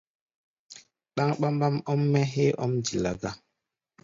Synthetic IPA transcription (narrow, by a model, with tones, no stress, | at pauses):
ɗa˦ŋɓa˦mɓa˦mɔ˦mːɛ˦ɦe˦ʔɔ̰˦md͡ʒi˨la̰˨ɡa˦